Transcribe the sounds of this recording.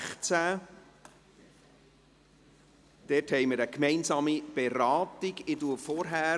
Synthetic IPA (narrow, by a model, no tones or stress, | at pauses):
χt͡sæ | d̪̥ɛthɛɪməɾəkmɛɪnsɑːmib̥eɾɑːtɪɡɪduəfɔɾɦæː